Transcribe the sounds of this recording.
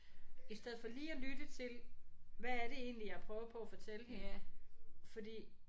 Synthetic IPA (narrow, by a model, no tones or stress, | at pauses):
isd̥eð̞̰̩ˠfɒ̽liːælyd̥ət͡sʰe̝lʋææɐɾe̝e̝̰ːnlijɑ̈ɪpʰʁœːʊpʰɒ̽æfɒ̽t͡sʰeləɦe | fɒ̽d̥ḭː